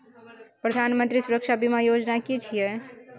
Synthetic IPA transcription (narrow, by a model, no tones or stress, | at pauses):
pɾəd̪ʱanmənt̪ɾisuɾəkʃabimajod͡ʒnakit͡ʃʰijɛ